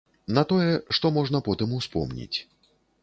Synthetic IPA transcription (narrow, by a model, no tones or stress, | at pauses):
nɐt̪ɔjɛʂt̪ɔmɔʐn̪ɐpɔt̪ɨmuwspɔ̰mnʲḭt͡sʲ